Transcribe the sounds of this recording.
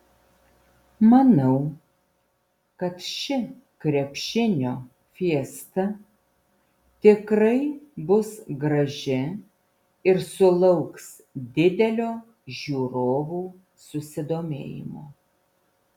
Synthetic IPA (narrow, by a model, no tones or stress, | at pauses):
mɐnɐʊ | kɐt̪ʃʲɪ | kɾʲɛpʲʃʲɪnʲoː | fʲiɛst̪ɐ | t̪ʲɪkɾɐɪbʊsɡɾɐʒʲɪ | ɪɾsʊlˠɐʊks | d̪ʲɪd̪ʲɛlʲoː | ʒʲuːɾoːʋuː | sʊsʲɪd̪oːmʲḛːjɪ̰mo̰ː